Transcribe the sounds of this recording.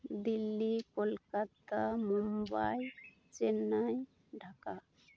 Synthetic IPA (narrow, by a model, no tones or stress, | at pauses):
d̪ilːikolkat̪amumbaj | t͡ʃɛnaj | ɖʱaka